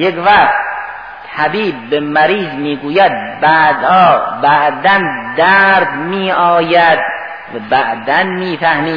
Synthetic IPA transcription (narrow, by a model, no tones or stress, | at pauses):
jekvæχt̪ | t̪ʰæbiːb̚ːemæɾiːzmiːɡuːjæd̪̚bæːd̪hɒːbæʔd̪ænd̪æːɾd̪miːʔɒːjæd̪ | væbæʔd̪ænmiːfʰæhmiː